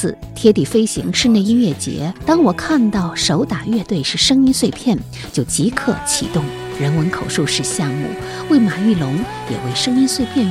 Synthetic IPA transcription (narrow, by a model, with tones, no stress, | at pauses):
ɹ̩˥˩ | t̪ʰjɛ˥t̪i˨˩fe˥ɪɕḭ˧˥ŋʂɻ̩˥˧ne˥˧ɪi˥nɥɛ˥˩t͡ɕjɛ̰˧˥t̪ɑ˥ŋwɔ˨˩kʰa˥˧nt̪ɑ˥˩ʊʂo˧˥ʊt̪a˨˩ɥɛ˥˧t̪we˥˧ɪʂɻ̩˥˩ʂɤ˥ŋi˥nswe˥˧ɪpʰjɛ˥˩n | t͡ɕjo˥˩ʊt͡ɕi˧˥kʰɤ˥˩t͡ɕʰi˨˩t̪ʊ˥˩ŋ | ɻə˧˥nwə˧˥nkʰo˨˩ʊʂu˥˧ʊʂɻ̩˥˧ɕjɑ˥˧ŋmṵ˥˩ | we˥˩ɪma˨˩y˥˩lʊ˧˥ŋ | jɛ̰˨˩we˥˩ɪʂɤ˥ŋi˥nswe˥˧ɪpʰjɛ˥˧n